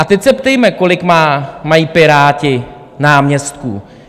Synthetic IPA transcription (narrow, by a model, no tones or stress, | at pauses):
ʔat̪ɛcsɛpt̪ɛjmɛko̞lɪkmaːmajiːpɪɾaːcɪ | naːmɲɛst̪̚kṵ